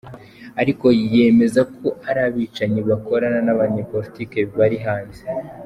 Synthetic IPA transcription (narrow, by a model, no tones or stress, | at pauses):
aɾiko̞je̞me̞zakʰoʔaɾaβiːt͡ʃaɲiβako̞ɾananaβaɲe̞po̞ɾitiːke̞βiβaɾiɦaːnze̥